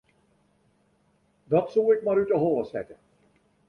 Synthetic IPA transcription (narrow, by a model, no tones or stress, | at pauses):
dɑtsoːɪkmaːɾytəɦɔlˠəsɛ̰tə